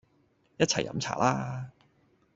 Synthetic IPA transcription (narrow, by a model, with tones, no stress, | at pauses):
jɐ˥t̚t͡sʰɐ˨˩jɐ̰˧˥mt͡sʰa̰ː˨˩lʔaː˥